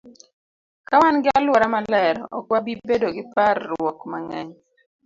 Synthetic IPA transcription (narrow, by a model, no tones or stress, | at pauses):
kawanɡɪalwɔɾamalɛɾɔ̰kwabibedoɡɪparːwɔkmaŋɛɲ